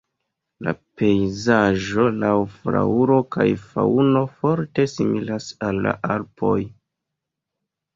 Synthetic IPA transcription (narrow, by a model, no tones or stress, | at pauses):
la̰pe̞jzaʒo̞lawfɾa̰uɾo̞kajfauno̞fo̞ɾte̞similasalːa̰ʔaɾpʰo̞j